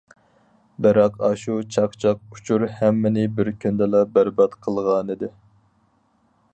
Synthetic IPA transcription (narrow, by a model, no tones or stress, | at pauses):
bɛɾɑqɑʃut͡ʃʰɑqt͡ʃʰɑq̚ut͡ʃʰuɾhæmːɪnɪbɪɾkʲʰynd̪ɛlɑbæɾbɑt̪qʰəlˠʁɑnɨd̪ɪ